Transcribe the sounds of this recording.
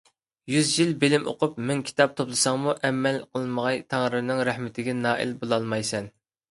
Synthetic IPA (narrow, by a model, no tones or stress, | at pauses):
jyzjilbɪlɪmʔo̰qʊpmɪŋkʲʰi̥t̪ʰɑp̚t̪ʰoplˠɨsɑŋmuʔɛmːɛlqʰəlˠməʁɑjt̪ʰɑŋɾɨɾnɪŋɾæhmɪt̪ʰɪɡʲɛnɑːḭlbolˠɑlˠmɑjsɛn